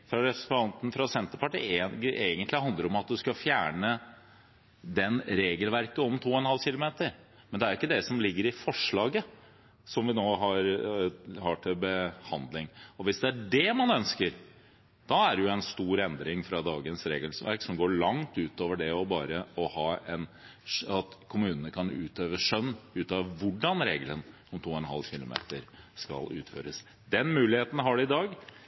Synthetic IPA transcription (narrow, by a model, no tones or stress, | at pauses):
fɾɑɾɛpɾsp̪ɑnt̪n̩fɾɑsɛnt̪əɾpɑʈḭːʔeːɡənt̪lɪhɑnd̪əɾɔmɑt̪̚d̪ʉskɑfjæːɳə | d̪ɛnɾeːɡəlʋæɾkəɔmt̪ʰuːɔɛnhɑlɕɪlʊmeːt̪əɾ | mɛnd̪ɛæɾjʊɪkːəd̪ɛsɔmlɪɡːəɾɪfɔʂɭɑːɡə | sɔmʋɪnoːɦɑɾ | hɑʈʰɪlbəhɑnd̪lɪŋɔʋɪsd̪ɛæɖɛmɑnœnskəɾ | d̪̥ɑæɖɛjʊɛnst̪uːɾɛnd̪ɾɪŋfɾɑd̪ɑːɡənsɾeːɡəlsʋæ̰ɾksɔmɡoːɭɑŋt̪ʉːt̪oːʋəɖɛɔbɑːɾəɔhɑːɛn | ɑt̪kʰʊmʉːnənəkʰɑnʉ̰ːt̪ʰøːʋəʂœnːʉːt̪ɑʋʋʊɖɑnɾḛːɡlən | ɔmt̪ʰuːɔɛnɦɑ̰lɕɪlʊ̰mḛːt̪əɾskɑ̰lʉ̰ːt̪fø̰ːɾəs | d̪̥ɛnmʉːlɪheːt̪n̩ɦɑɖɛɪd̪ɑːɡ